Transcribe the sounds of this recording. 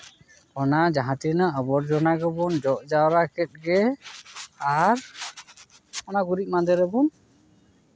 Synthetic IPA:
ɔnad͡ʒaɦãt̪inaəbɔɾd͡ʒɔnaɡɔbɔnd͡ʒɔʔd͡ʒawɾakɛt̪̚ˀɡɛ | aɾ | ɔnaɡuɾiʔ̚mand̪ɛɾɛbun

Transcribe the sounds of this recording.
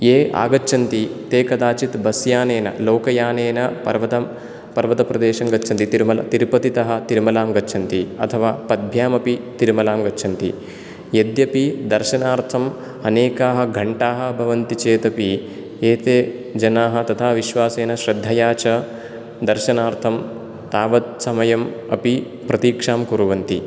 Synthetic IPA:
eːʔa̰ːɡɐtːʃʰɐnt̪it̪eːkɐd̪aːt͡ʃit̪bɐsjaːneːnɐ̰loːkɐjaːneːnɐpɐɾʋɐt̪ɐm | pɐɾʋɐt̪ɐpɾɐd̪eːʃɐŋɡɐt͡ʃʰɐnt̪it̪iɾmɐlɐt̪iɾpɐt̪it̪ɐɦɐ̆t̪iɾmɐlaːmɡɐtːt͡ʃʰɐnt̪iɐ̰t̪ʰɐʋaːpɐd̪̚bʱjaːmɐpit̪iɾmɐlaːmɡɐtːt͡ʃʰɐnt̪ḭ | jed̪jɐpid̪ɐɾʃɐnaːɾt̪ʰɐm | ɐneːkaːɦɐ̆ɡʱɐɳʈaːɦɐ̆bʱɐʋɐnt̪it͡ʃeːt̪ɐpi | eːt̪eː | d͡ʒɐnaːɦɐ̆t̪ɐt̪ʰaːʋiʃʋaːseːnɐʃɾɐd̪ʱːɐjaːt͡ʃɐ | d̪ɐɾʃɐnaːɾt̪ʰɐm | t̪aːʋɐt̪̚sɐmɐjɐmɐpi | pɾɐt̪iːkʂaːmkuɾuʋɐnt̪i

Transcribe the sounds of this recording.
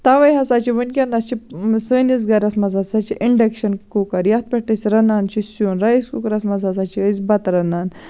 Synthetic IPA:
t̪aʋɐjɦɐsaːt͡ʃʰiʋənʲkʲɐnɐst͡ʃʰisəːnizɡɐɾɐsmɐzasat͡ʃiʔiɳɖekʃɐnkukɐɾjɐt̪̚pʲeʈɐsʲiɾɐnaːnt͡ʃisuːnɾajiskukɐɾɐsmɐzazat͡ʃiəzbɐt̪ɾɐnaːn

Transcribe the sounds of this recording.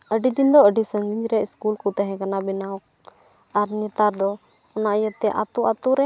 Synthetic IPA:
əɖid̪ind̪ɔəɖisəŋɡiɲɾɛiskulkɔt̪aɦɛ̃kanabinawɔk̚ | aɾnɛt̪aɾd̪ɔ | ɔnaʔjət̪ɛʔa̰t̪uʔat̪uɾɛ

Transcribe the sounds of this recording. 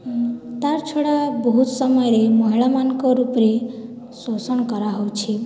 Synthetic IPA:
t̪aɾt͡ʃʰoɽabɔɦut̪sɔmɔjɔɾemɔɦiɭamanɔkɔɾupɾe | sosɔñɔkɔɾaɦowt͡ʃʰi

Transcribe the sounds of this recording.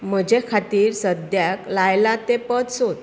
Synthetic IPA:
m̤əd͡ʑekʰat̪iːɾsəd̪jaklajlat̪epət̪sot̪

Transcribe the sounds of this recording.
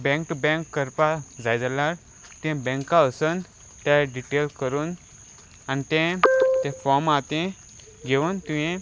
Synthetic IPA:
bɛ̃ŋk̚ʈubɛ̃ŋkːəɾpad͡zajd͡zalaɾ | t̪ɛ̃bɛ̃ŋkaəsən | t̪aɖiʈelkəɾuːn | anit̪ẽt̪ẽfɔmat̪ẽ | ɡeʋunt̪ũjẽ

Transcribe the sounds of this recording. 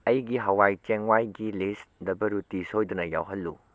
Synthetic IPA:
ɐjɡiɦɐwajt͡ʃeŋwajɡilisdɐbɐɾutisojdunɐja̰wɦɐlːu

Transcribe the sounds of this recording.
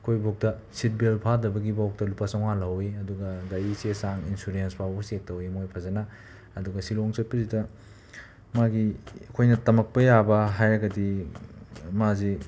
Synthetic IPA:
ɐkʰojbok̚tɐsit̚belpʰadɐbɐɡibawk̚tɐlupasɐŋalɐwiɐduɡɐdajisesaŋinsuɾenspʰawbɐsek̚tːɐwimojpʰɐzɐnaː | duɡɐsiloŋset̚pɐzidɐ | maɡiɐkʰojnɐtɐmɐk̚pɐjabɐɦajɾɐɡɐdi | mazi

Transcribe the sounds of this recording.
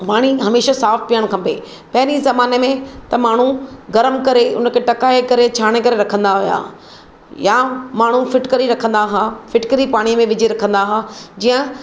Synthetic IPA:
maːɽ̃iɦɐmeːʃasaːfpijəɽ̃kʰãpḛː | pɐɦɪnizɐmaːnemẽt̪ɐmaːɳ̤uɡɐɾəmkɐɾeʊ̰nə̆kʰeʈɐkaːekɐɾet͡ɕʰaːɽ̃ekɐɾeɾɐkʰə̃nd̪aɦʊja̰ː | jamaːɳ̤ufɪʈkəɾiɾɐkʰə̃nd̪aɦaːfɪʈkəɾipaːɽ̃imẽʋɪd͡ʑeɾɐkʰə̃nd̪aɦaːd͡ʑiːə̃

